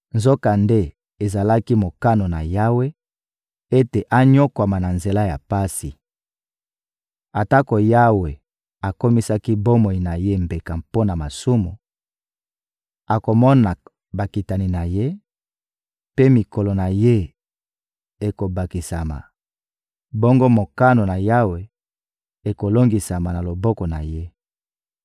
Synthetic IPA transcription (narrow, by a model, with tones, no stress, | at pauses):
nzo˦ka˨nde˦ | e˨za˨la˦ki˦mo˨ka˦no˨na˨ja˦we˦ | e˦te˨ʔa˦ɲo˦kwa˨ma˨na˨nze˨la˦ja˨pa˦si˨ | a˨ta˦ko˨ja˦we˨ | a˨ko˦mi˦sa˦ki˦bo˦mo˨i˨na˨je˦mbe˨ka˨mpo˦na˨ma˨su˦mṵ˨ | a˨ko˨mɔ˦na˨ | ba˨ki˨ta˨ni˨na˨je˦ | pe˦mi˨ko˨lo˨na˨je˦ | e˨ko˨ba˨ki˨sa˨ma̰˨ | bo˦ŋɡo˦mo˨ka˦no˨na˨ja˦we˨ | e˨ko˨lo˦ŋɡi˨sa˨ma˨na˨lo˨bɔ˦kɔ˨na˨je˦